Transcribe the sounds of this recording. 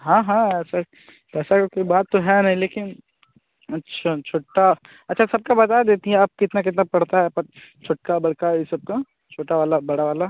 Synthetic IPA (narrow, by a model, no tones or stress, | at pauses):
ɦãːɦãɛsa | pɛːsakkoibaːt̪ːoɦɛnɐɦĩleːkɪn | ɐtːʃʰat͡ʃʰoːʈa | ɐtːʃʰasɐb̚kabɐt̪ajd̪eːt̪iɦɛ̃ɐːp̚kɪt̪nak̬ɪt̪napɐɽt̪aɦɛpɐɾt͡ʃʰoːʈ̚kabɐɽkaɪsɐb̚ka | t͡ʃʰoːʈaʋaːlabɐɽaʋaːla